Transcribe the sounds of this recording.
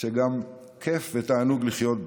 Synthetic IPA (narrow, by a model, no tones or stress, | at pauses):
eɡam | kʰefvet̪aːnuɡliχjot̪̚b